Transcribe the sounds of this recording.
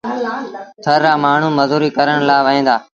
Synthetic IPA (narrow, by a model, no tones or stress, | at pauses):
t̪ʰəɾːaːmaːɳ̤ũːməzuːɾiːkəɾəɳ̃laːʋəɦẽːd̪aː